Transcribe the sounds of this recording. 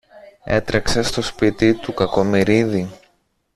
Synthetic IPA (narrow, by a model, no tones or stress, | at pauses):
e̞̰t̪ɾeksest̪o̞spit̪it̪ukɐko̞miɾiði